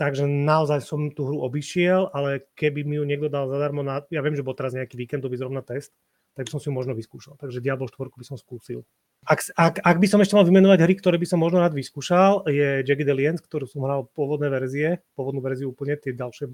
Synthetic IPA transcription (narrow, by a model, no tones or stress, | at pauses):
t̪aɡʒɛnaɔzajsɔmt̪uɦɾuɔbiʃɪɛlalɛkɛbimijuɲɛɡd̪ɔd̪alzad̪aɾmɔnajaʋɪɛmʒɛbɔlt̪ɛɾazɲɛakiːʋiːkɛnd̪ɔʋizɾɔʋnat̪ɛst̪ | t̪ːaɡbisɔmsijumɔʒnɔʋiskuːʃalt̪aɡʒɛɟɪabɔlʃt̪ʋɔɾkubisɔmskuːsḭl | akakaɡbisɔmɛʃcɛmalʋimɛnɔʋaɟɦɾikt̪ɔɾɛːbisɔmːɔʒnɔɾaːd̪ʋiskuːʃaljɛd͡ʒɛɡid̪ɛliɛnskt̪ɔɾuːsɔmɦɾalpʊɔʋɔd̪nɛːʋɛɾziɛpwɔʋɔd̪nːʋɛɾziuuːpl̩ɲɛt̪ɪɛɟalʃɛ